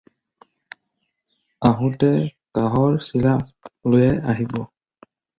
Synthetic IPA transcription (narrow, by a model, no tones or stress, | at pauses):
aɦũtɛkaɦɔɹsilalojɛaɦibɔ